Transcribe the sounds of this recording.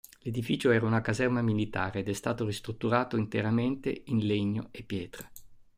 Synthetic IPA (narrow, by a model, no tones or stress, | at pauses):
led̪ifiːt͡ʃoɛːɾaunakazɛrmamilit̪aːɾeːd̪ɛst̪aːt̪orist̪ɾut̪ːuɾaːt̪oint̪eɾament̪ḛinleɲːo̰epːjɛːt̪ɾa